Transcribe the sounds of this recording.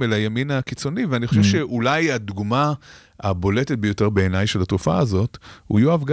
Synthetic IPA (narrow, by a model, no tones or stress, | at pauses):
elajaminakit͡so̞niveaniχo̞ʃevʃeʔulajadɡma | abo̞letet̚bejo̞te̞ʁbe̞enajʃelatofa̰ːzo̞thṵjoavɡ